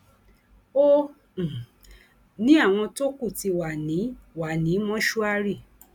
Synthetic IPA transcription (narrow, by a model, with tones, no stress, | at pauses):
õ˦˨ | nĩ˦a˦˨w̃ɔ̃˧to˦ku˦˨ti˧wa˨nĩ˨˦wa˨nĩ˨˦mɔ̃˦ʃu˦a˦ɾi˦˨